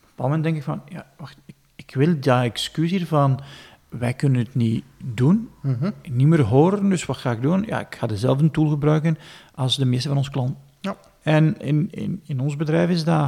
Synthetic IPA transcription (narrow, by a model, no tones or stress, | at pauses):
pɔpaːlˠdəmɛndɛŋkɪkfɑnja̰ʋaxtɪk | ɪkʋɪlˠdəɛkskysiːrvɑn | ʋɛjkɵnənətnidun | nimərɦoːɾəndɵswɑtxaːɪɡ̚dunja̰ːɪ̰kxaːdəzɛlˠfəntulˠɣəbrœɥkən | ɑlˠsdəmɪːstəvɑnɔnsklɑnt | ɛnɪnɪ̰nɪnɔnzbədrɛjfɪzda